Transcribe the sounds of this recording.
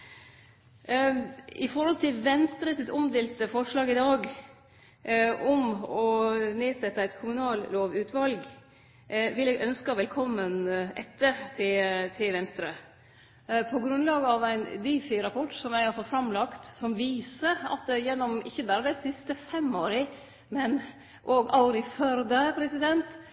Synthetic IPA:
ɪfɔɾhɔlt̪ʰɪlʋɛnst̪ɾəsɪt̪ɔmd̪eːlt̪əfɔʂɭɑːɡɪd̪ɑːɡ | ʔɔmɔneːsɛt̪ːəæɪt̪kʰʊmʉnɑːlloːʋʉːt̪ʰʋɑlɡ | ʋɪlɛːɡœnskɑʋɛlkʰɔmːənɛ̰t̪ːəɾt̪ʰɪt̪ʰɪlʋɛnst̪ɾə | pʰɔɡɾʉnlɑːɡəɑʋæɪnd̪iːfɪɾɑpʰɔʈsɔmjæɪhɑɾfɔt̪fɾɑmlɑkt̪sɔmʋiːsəɾɑ̰t̪̚d̪ɛjɛnːɔmɪ̰çːəbæːɾəd̪æɪsɪst̪əfɛmːoːɾə | mɛn | ʔoːɡɑʊɾɪfœɾd̪əpʰɾɛsɪd̪ɛnt̪

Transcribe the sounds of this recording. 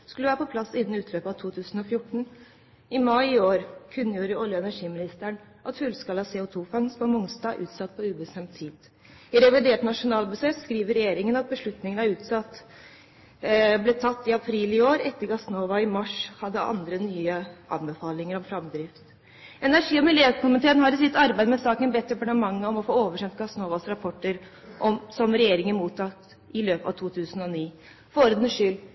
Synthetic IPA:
skʉləʋæːɾəpɔpʰlɑsːɪn̩ːʉːt̪ʰløːpɑʋt̪ʰuːt̪ʰʉːsən̩ɔfjʊʈːɳ̩ | ɪmɑɪɪoːɾkʰʉnːəjuːɾəɔljəɛnæʂiːmɪnɪst̪əɳ | ʔɑt̪fʉlskɑləɑseːʊt̪ʰuːfɑŋspɔmʊŋsd̪ɑːʔʉ̰ːt̪sɑt̪ːpʰɔʉːbəst̪ɛmt̪ʰiːd̪ | ɪɾɛʋɪd̪eːʈnɑʂʊnɑːlbəseːt̪skɾiːʋəɾɛjeːɾɪŋənɑt̪̚bəʂɭʉt̪nɪŋənæɾʉːt̪sɑt̪ː | blɛːt̪ʰɑt̪ːɪɑpʰɾiːlɪoːɾɛt̪ːəɾɡɑsnoːʋɑɪmɑʂhɑd̪ːəʔɑ̰nd̪ɾənyːəʔɑ̰nbɛfɑːlɪŋəɾɔmfɾɑmd̪ɾɪft̪ | ɛnæɾʂiːɔmɪljøkʰʊmɪt̪ʰeːənɦɑɾɪs̬ɪt̪ːɑɾbæɪd̪əmɛsɑːkənbɛt̪ːɾɛpɑɳəmɑŋːəɔmɔfoːoːʋəʂɛnt̪̚ɡɑsnoːʋɑsɾɑpʰɔʈːəɾ | ʔɔmsɔmɾɛjeːɾɪŋənmuːt̪ʰːɑkt̪ | ɪløːpɑ̰ʋt̪ʰuːt̪ʰʉːsənɔniː | foːɾəd̪əʂʏl

